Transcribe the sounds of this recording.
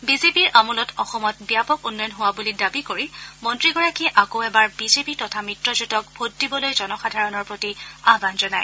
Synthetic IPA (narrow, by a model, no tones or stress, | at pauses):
bizepiɹʔamɔlɔtʰɔxɔmɔt̚bijapɔkunːɔjɔnɦʊwabulidabikoɹimɔntɹiɡɔɹakiɛʔakoʊɛbaɹbizepitɔtʰamɹitɹɔzutɔk̚bʱot̚dibɔlojzɔnɔxadʱaɹɔnɔɹpɹotiaɦbanzɔnaj